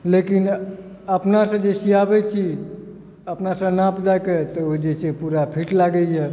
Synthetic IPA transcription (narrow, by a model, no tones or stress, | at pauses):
lekin | əpnasə̃d͡ʒesiabɛt͡ʃʰi | əpnasə̃napd͡ʒajket̪ɔod͡ʒesepuɾapʰiʈlaɡəɦɛ